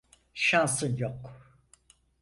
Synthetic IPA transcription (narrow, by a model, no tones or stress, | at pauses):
ʃansɯnjok